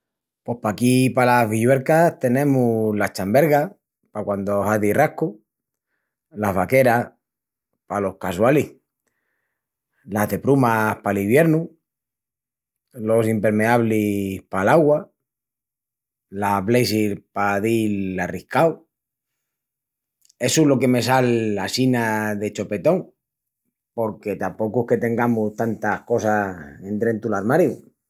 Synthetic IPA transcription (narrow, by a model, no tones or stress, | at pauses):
pwo̞hpakipalaβiʎwe̞ɾkat̪e̞nẽ̞mulat͡ʃambe̞ɾɣa | pakwand̪oɦaðirahku | laɦβake̞ɾa | palo̞hkaswalih | laðe̞pɾumahpaliβje̞ɾnu | lo̞simpe̞ɾme̞aβlihpalaɣwa | laβlejsilpaðilarihkaw | e̞sulo̞ke̞me̞s̬alːasinaðe̞t͡ʃo̞pe̞t̪o̞ŋ | po̞ɾke̞t̪ampo̞kuehke̞t̪e̞ŋɡamut̪ant̪ahko̞sae̞nt̪ɾe̞nt̪ulaɾmaɾju